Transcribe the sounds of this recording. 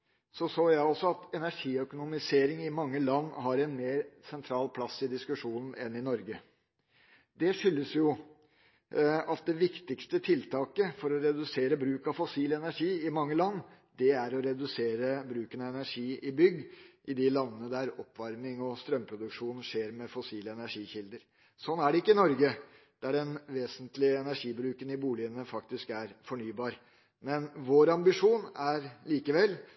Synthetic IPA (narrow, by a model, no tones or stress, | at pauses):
sɔsoːjæɪɔsɔɑt̪ɛnæʂiːœkʊnʊmɪseːɾɪŋɪmɑŋːəlɑnːɦɑɾɛnmeːɾsɛnt̪ʰɾɑːlpʰlɑsːɪd̪ɪskʉʂuːnn̩ɛnɪnɔɾɡə | d̪ɛʂʏlːəsjʊ | ɑt̪̚d̪ɛʋɪkt̪ɪkst̪ət̪ʰɪlt̪ʰɑːkəfɔɾɔɾɛd̪ʉseːɾəbɾʉːkɑʋfɔsiːlɛnæʂiːɪmɑŋːəlɑnː | d̪ɛæɾɔɾɛd̪ʉseːɾəbɾʉːkənɑɛnæʂiːɪbʏɡʔɪd̪ɪlɑnːənəd̪æɾɔpːʋɑɾmɪŋɔst̪ɾœmpʰɾʊd̪ʉkʂuːnʂeːɾmɛfɔsiːləɛnæʂiːçɪld̪əɾ | sɔnːæɖɛɪkːəɪnɔɾɡə | d̪̥æɖɛnʋeːsənt̪lɪəɛnæʂiːbɾʉːkənɪbuːlɪənəfɑk̚t̪ɪskæɾfɔɳyːbɑːɾ | mɛnʋoːɾɑmbɪʂuːnæɾliːkəʋɛl